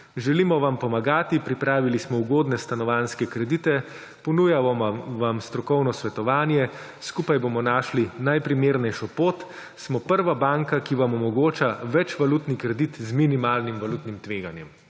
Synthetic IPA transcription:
ʒɛlimɔʋampɔmaɡaːt̪ipɾipɾaːʋilismɔuɡoːd̪nɛst̪anɔʋaːnskɛkɾɛd̪it̪ɛ | pɔnuːjaʋamst̪ɾɔkɔwnɔsʋɛt̪ɔʋaːnjɛ | skupajbomɔnaːʃlinajpɾimeːɾnɛjʃɔpoːt̪ | smɔpəɾʋabaŋkakiʋamɔmɔɡoːt͡ʃaʋɛt͡ʃʋaluːt̪nikɾɛd̪it̪zminimaːlnimʋalut̪nimt̪ʋeːɡanjɛm

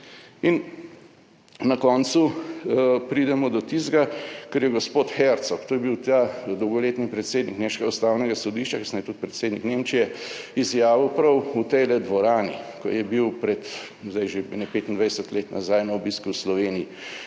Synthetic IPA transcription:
in | nɐkɔnt̪su | pɾiːd̪ɛmɔd̪ɔt̪izɡakɛɾjɛɡɔspoːt̪xɛɾt̪sɔkt̪oːjɛbiwt̪aːd̪ɔwɡɔleːt̪nipɾɛt̪seːd̪nikneːmʃkɛɡaust̪aːwnɛɡasɔd̪iːʃt͡ʃakisnajɛt̪ut̪̚pɾɛt̪seːd̪nikneːmt͡ʃijɛizjaːʋiwpɾɐwut̪ɛjlɛd̪ʋɔɾaːnikɔ̰jɛbiwpɾɛt̪ | zd̪ajʒebnɛpeːt̪ind̪ʋajsɛt̪leːt̪nazajnɐɔbiskuwslɔʋeːniji

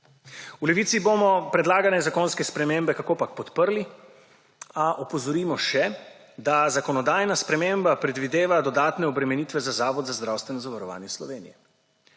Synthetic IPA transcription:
ulɛʋiːt̪sibomɔpɾɛd̪laːɡanɛzakoːnskɛspɾɛmembɛkakoːpak̚pɔt̪pəɾli | aʔɔpɔzɔɾiːmɔʃɛ | d̪azakɔnɔd̪aːjnaspɾɛmeːmbapɾɛd̪ʋid̪eːʋad̪ɔd̪aːt̪nɛɔbɾɛmɛniːt̪ʋɛzazaːʋɔd̪zazd̪ɾawst̪ʋɛnɔzaʋaɾɔʋa̰ːnjɛslɔʋeːnijɛ

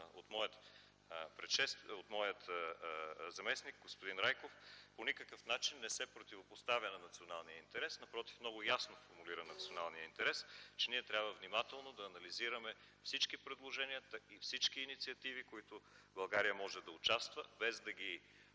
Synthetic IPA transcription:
o̰t̪mɔjət̪ | pɾɛʃɛst̪ot̪mɔjət̪ | zɐmɛsnik̚ɡospod̪inɾajkofponikəkəfnat͡ʃinːɛsɛpɾot̪ivopost̪avʲjənɐnɐt̪sionalˠnijəint̪ɛɾɛsnɐpɾɔt̪i̥fmnɔɡʊjasnofoɾmuliɾənɐt̪sionalˠnijəint̪ɛɾɛst͡ʃɛniɛt̪ɾʲabvəvnimat̪ɛlˠnod̪ɐːnɐliziɾəmɛ | fsit͡ʃkipɾɛd̪lˠoʒɛniət̪ifsit͡ʃkiːnit̪siɐt̪ivikoit̪ʊbɐlˠɡaɾijəmɔʒɛd̪ɐʊt͡ʃast̪vəbɛzd̪ɐɡ̟i

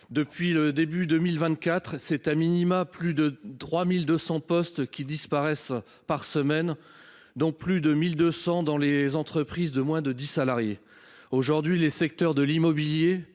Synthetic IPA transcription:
d̪əpɥiləd̪ebyd̪əmilvɛ̃t̪̚kʲat̪χsɛt̪aminimaplyd̪ət̪χwamild̪əsɑ̃pɔst̪kʲid̪ispaʁɛs | paʁsəmɛn | d̪ɔ̃plyd̪əmild̪øsɑ̃d̪ɑ̃lezɑ̃t̪χəpχizd̪əmwɛ̃d̪əd̪isalaʁje | oʒuʁd̪ɥilesɛkt̪œʁd̪əlimɔbilje

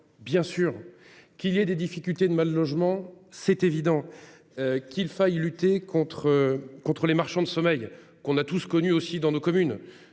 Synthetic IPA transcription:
bjɛ̃syːʁ | kʲiljɛd̪ed̪ifikʲylt̪ed̪əmalːɔʒmɑ̃sɛt̪evid̪ɑ̃ | økʲilfajlyt̪ekʰɔ̃t̪χəkɔ̃t̪χəlemaʁʃɑ̃d̪əsɔmɛj | kɔ̃nat̪uskɔnyosid̪ɑ̃nokɔmyn

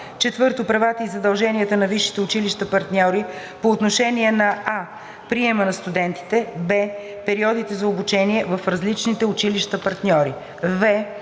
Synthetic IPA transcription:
t͡ʃɛt̪vɤɾt̪opɾɐvat̪əizɐd̪ɐlˠʒɛniət̪ənɐviʃːi̥t̪ɛʊt͡ʃiliʃt̪əpɐɾt̪nʲɔɾi | poːt̪noʃɛniɛnɐa | pɾiɛmənɐst̪ud̪ɛnt̪i̥t̪ɛbɛ | pɛɾiɔd̪it̪ɛzɐobut͡ʃɛniɛvɐfɾɐzlit͡ʃnit̪ɛʊt͡ʃiliʃt̪əpɐɾt̪nʲɔɾi | vɛ

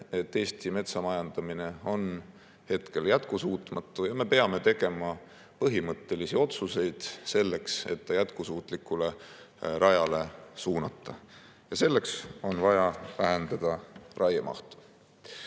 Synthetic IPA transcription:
e̞t̪ːe̞ːst̪ime̞t̪sɑmɑjɑnd̪̥ɑmine̞o̞n | he̞t̪ke̞ljæt̪kusuːt̪ˑmɑt̪ːˑujɑme̞pe̞ɑme̞t̪e̞ɡ̥e̞mɑ | pɤɦimɤt̪ːe̞lisio̞t̪suse̞jd̪̥se̞lːe̞kse̞̰t̪ːɑjæt̪kusuːt̪ˑlikːule̞ | ɾɑjɑle̞suːnɑt̪ːˑɑ | jɑse̞lːe̞kso̞nvɑjɑvæɦend̪ɑd̪̥ɑrʔɑjɑmʔɑ̰ht̪u̥

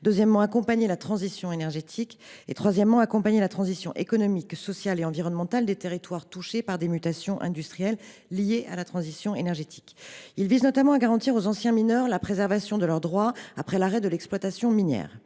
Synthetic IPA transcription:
d̪øzjɛmːɑ̃akɔ̃paɲelat̪χɑ̃zisjɔ̃enɛʁʒet̪ʰikḛt̪χwazjɛmːɑ̃akɔ̃paɲelat̪χɑ̃zisjɔ̃ʔekɔnɔmiksɔsjaleɑ̃viʁɔnmɑ̃t̪ald̪et̪eʁit̪waʁt̪uʃepaʁd̪emyt̪asjɔ̃ʔɛ̰̃d̪yst̪χijɛlː | ijeʔa̰lat̪χɑ̃zisjɔ̃enɛʁʒet̪ʰi̥kilviznɔt̪amɑ̃aɡaʁɑ̃t̪iʁozɑ̃sjɛ̃minœʁlapχezɛʁvasjɔ̃d̪əlœʁd̪ʁwaapχɛlaʁɛd̪əlɛksplwat̪asjɔ̃minjɛ̰ːʁ

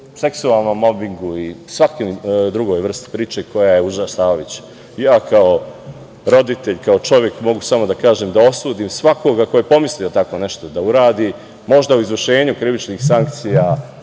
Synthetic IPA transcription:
se̞ksualˠno̞mːo̞biŋɡuisʋakimd̪ɾuɡo̞jʋr̩st̪i̥pɾiːt͡ʃeko̞jaje̞uʒasaːoʋit͡ɕ | jaːkʰao̞ | ɾo̞d̪it̪e̞ʎkao̞t͡ʃo̞ʋje̞kmo̞ɡusamo̞d̪akaːʒemd̪ao̞suːd̪imsʋako̞ɡako̞jepo̞mislijot̪ako̞ne̞ʃt̪o̞d̪auɾaːd̪i | mo̞ʒd̪auizʋrʃe̞ːɲukɾiʋit͡ʃnixsaŋk̚t̪sija

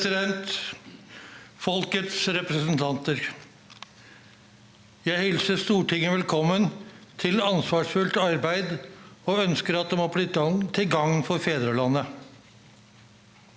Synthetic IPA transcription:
sɪd̪ɛnt̪ | fɔlkət̪sɾɛpɾəsn̩t̪ʰɑnt̪əɾ | jæɪhɛlsəst̪uːʈʰɪŋːəʋɛlkʰɔmːənt̪ʰɪlɑnsʋɑːʂfʉlt̪ɑɾbæɪd̪oːœnskəɾɑt̪̚d̪ɛmoːbliːt̪ɡɑŋt̪ʰɪlɡɑŋfɔɾfeːd̪ɾəlɑnːə

